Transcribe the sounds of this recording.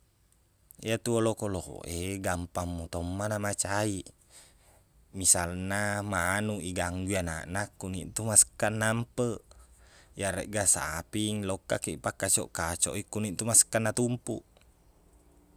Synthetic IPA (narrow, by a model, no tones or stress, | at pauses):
jat̪uolokoloko̰ʔeɡampamːut̪ɔmːanamat͡ʃaiʔ | misalnamanuʔiɡaŋɡiana̰ʔnakːunḭʔt̪umaskːanːampə | jaɾḛʔɡasa̰piŋlɔkːakiʔpakːat͡ʃɔ̰ʔkat͡ʃo̰ʔikːuniʔ̪t̪umaskanːat̪umpuʔ